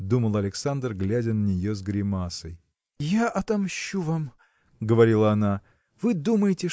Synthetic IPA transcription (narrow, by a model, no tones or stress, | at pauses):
d̪uməlˠɐlʲɪksand̪rɡlʲædʲənənʲɪjozɡɾʲɪmasəj | jaʔɐt̪ɐmɕːuvam | ɡəvɐɾʲilˠəɐna | vɨd̪uməjɪtʲɪ